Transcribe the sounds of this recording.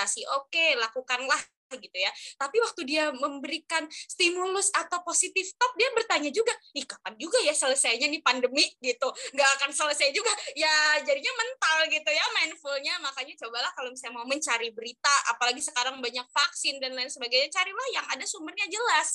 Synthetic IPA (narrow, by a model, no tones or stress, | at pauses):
asiʔokelakukanlah | ɡit̪ujat̪apiwak̚t̪udiaməmbəɾikanst̪imulʊsat̪awposit̪ɪft̪ap̚diabərt̪aɲad͡ʒuɡaikapand͡ʒuɡajasələsajɲanipandəmiʔɡit̪uŋɡaːkansələsajd͡ʒuɡajad͡ʒadiɲamənt̪alɡit̪ujamaɪnfulɲamakaɲat͡ʃobalahkalosajamauməɲt͡ʃaɾibəɾit̪aʔa̰palaɡisəkaɾaŋbaɲak̚faksɪndanlaɪnsəbaɡajɲat͡ʃaɾilahjaŋadasumərɲad͡ʒəlas